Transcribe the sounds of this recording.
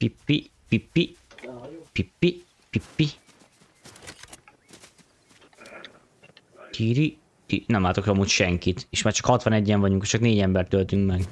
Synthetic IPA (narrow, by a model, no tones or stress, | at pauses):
pipːi | pipːi | pipːi | pipːi | t̪ʰiːɾi | t̪inɛmlaːt̪o̞kɒmːuːcʃɛŋkit̪eːʃmaːrt͡ʃɒkhɒt̪ʋɒnɛɟːɛɱvɒɟuŋket͡ʃɒkneːɟɛmbɛrt̪ølt̪yŋkmɛɡ